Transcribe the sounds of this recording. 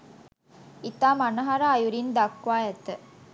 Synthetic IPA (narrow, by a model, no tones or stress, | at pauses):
it̪aːmanɐɦaɾaːjuɾind̪akːʋaːjɛt̪ə